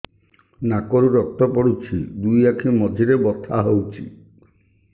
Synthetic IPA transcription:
nakɔɾuɾɔk̚t̪ɔpɔɽut͡ʃʰid̪ujakʰimɔd̪ʱiɾebɔt̪ʰaɦowt͡ʃʰḭ

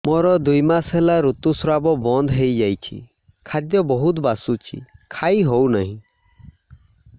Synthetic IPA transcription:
mɔɾɔd̪ujmasɦelaɾut̪usɾabɔbɔnd̪ɦejd͡ʒajt͡ʃʰḭ | kʰad̪jɔbɔɦut̪basut͡ʃʰḭkʰaiɦownaɦĩ

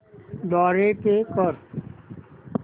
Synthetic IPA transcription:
ɖ̪ɔːɾeːkeːkɔɾ

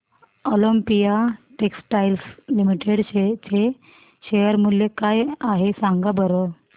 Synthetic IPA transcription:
oləmpijaʈeksʈajlslimiʈeɽɕet͡ɕe | ɕejəɾmuljekajaɦesaŋɡabəɾə

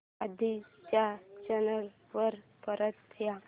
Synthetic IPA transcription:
ad̪ʱit͡ɕjat͡ɕənəl | ʋəɾpəɾət̪ːja

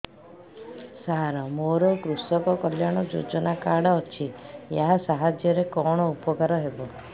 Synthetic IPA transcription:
saɦaɾɔmoɾɔkɾusɔkɔkɔljaɽ̃ɔd͡ʒo̰d͡ʒɔnakaɽɔːt͡ʃʰijaɦasaɦad͡ʒjɔɾekɔɽ̃ɔupɔkaɾɔɦebɔ

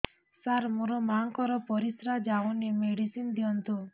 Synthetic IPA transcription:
saɾmuɾɔmaŋkɔɾɔpɔɾisɾad͡ʒaunemeɽisind̪iɔnt̪u

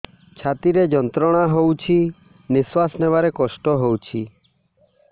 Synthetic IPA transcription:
t͡ʃʰat̪iɾed͡ʒɔnt̪ɾɔɽ̃aɦowt͡ʃʰi | niswasnebaɾekɔsʈɔɦowt͡ʃʰi

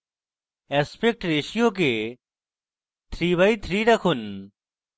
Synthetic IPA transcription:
ɛːspek̚ʈɾeːʃijoːk̬eː | t̪ʰɾiːβaiːt̪ʰɾiːɾəkʰun

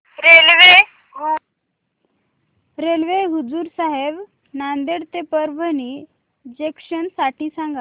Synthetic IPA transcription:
ɾelʋe | ɾelʋeɦud͡zuːɾsaɦeb | nand̪eɽt̪epəɾbʱəniː | d͡ʑekɕənsaʈiːsãŋɡa

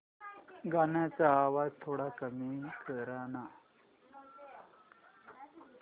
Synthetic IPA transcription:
ɡanjat͡saːʋad͡zt̪ʰoɽakəmikəɾana

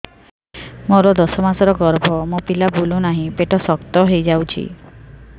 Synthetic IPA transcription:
moɾɔd̪ɔsɔmasɔɾɔɡɔɾbʱɔmopilabulunaɦĩpeʈɔsɔkt̪ɔɦejd͡ʒawt͡ʃʰḭ

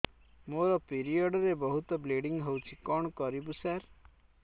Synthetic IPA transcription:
moɾɔpiɾiɔɖɔɾebɔɦut̪ɔbleɖiŋɡɦewt͡ʃʰikɔɳ̃ɔkɔɾibusaɾ

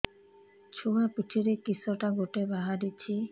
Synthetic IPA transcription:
t͡ɕʰuapitʰiɾekisoʈaɡoʈebaɦaɾit͡ɕʰi

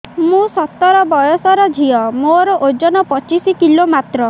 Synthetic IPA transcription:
mũsɔt̪ːɔɾɔbɔjɔsɔɾɔd͡ʒʱiɔmoɾɔʔod͡ʒɔnɔpɔt͡ʃisikilomat̪ɾɔ

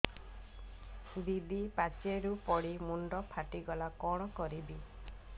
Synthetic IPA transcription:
d̪id̪ipat͡ʃeɾupɔɽimuɳɖɔpʰaʈiɡɔlakɔɽ̃ɔkɔɾibi

